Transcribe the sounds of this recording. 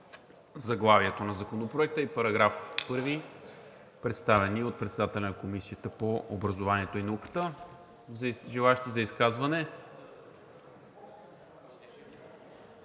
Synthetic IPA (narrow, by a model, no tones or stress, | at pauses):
zɐɡlˠaviɛt̪onɐzɐkonopɾoɛk̚t̪əipɐɾɐɡɾafpɤɾvi | pɾɛt̪st̪avɛniot̪̚pɾɛt̪sɛd̪at̪ɛlʲɛnɐkomisiət̪əpoʔobɾɐzovaniɛt̪oinɐukə̥t̪ə | ʒɛlˠaʃt̪izɐiskazvɐnɛ